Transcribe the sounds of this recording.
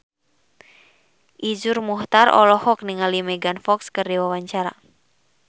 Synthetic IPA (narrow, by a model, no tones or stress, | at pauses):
ʔid͡ʒurmuht̪arɔ̰lɔhɔk̚niŋalimɛɡanfɔkskərdiwawaɲt͡ʃaɾa̰